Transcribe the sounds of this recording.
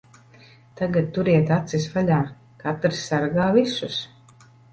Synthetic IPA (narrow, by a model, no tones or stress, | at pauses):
t̪aɡat̪t̪ːuɾiɛt̪at̪sisvalʲaː | kat̪ɾsːaɾɡaːvisus